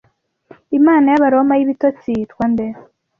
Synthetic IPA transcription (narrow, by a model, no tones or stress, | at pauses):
imaːnajaβaɾo̞majiβitot͡sitkwande